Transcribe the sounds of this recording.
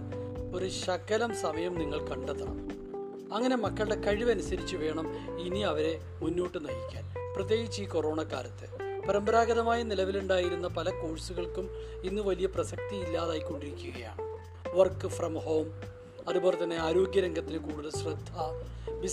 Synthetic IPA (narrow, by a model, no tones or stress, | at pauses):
o̞ɾuɕɐkːɐlɐmsɐmɐjɐmniŋːɐɭkɐɳɖɐt̪ːɐɳɐ̰m | ɐŋːɐne̞mɐkːɐɭɨɽe̞kɐɻiʋɐnusɐɾit͡ɕːɨʋe̞ːɳɐminiɐʋɐɾe̞ | munːoːʈːɨnɐjikʲːa̰ːlprɐt̪je̞ːɡit͡ɕːɨiːko̞ro̞ːɳɐkːa̰ːɾɐt̪ːɨpɐɾɐmbɐɾaːɡɐðɐmaːjɐnilɐʋiluɳɖaːjiɾunːɐpɐlɐko̞ːɻsuɣɐɭkum | inːɨʋɐlijɐprɐsɐk̚t̪iilːaːðaːjikːo̞ɳɖiɾikʲːuɣɐja̰ːɳɨ | ʋɐrkːɨfrɐmho̞ːm | ɐðuboːle̞t̪ɐnːe̞aːɾoːɡjɐɾɐŋɡɐt̪ːinɨkuːɽuðɐɕrɨd̪ʱːɐbi